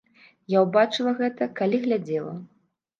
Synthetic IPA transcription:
jawbat͡ʂɨlˠɐɣɛt̪ɐkalʲiɣlʲad͡zʲɛlˠɐ̰

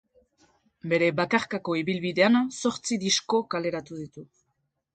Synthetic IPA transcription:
be̞ɾe̞βakaɾkako̞iβilβiðe̞anso̞ɾt͡siðisko̞kale̞ɾat̪uð̞it̪u

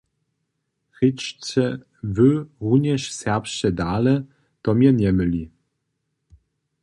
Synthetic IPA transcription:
xɘt͡ɕt͡ɕɛ | vɘʁuɲɛʃsɛʁpʃt͡ɕɛd̪alɛ | t̪ɔmʲjɛɲɛmɘlʲi

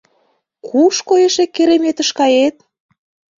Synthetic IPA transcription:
kʰuʃkojeʃekːeɾemet̪ə̆ʃkɑjet̪̚

